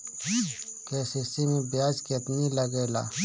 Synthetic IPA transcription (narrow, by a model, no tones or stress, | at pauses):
keːsisimẽbjaːd͡ʒket̪niləɡeːla̰ː